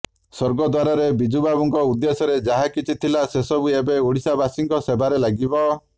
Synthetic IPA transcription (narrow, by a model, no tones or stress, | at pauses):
sɔɾɡɔd̪waɾɔɾebid͡ʒubabuŋkɔud̪ːesɔɾed͡ʒaɦakit͡ʃʰit̪ʰilasesɔbuebeuɽisabasiŋkɔsebaɾelaɡibɔ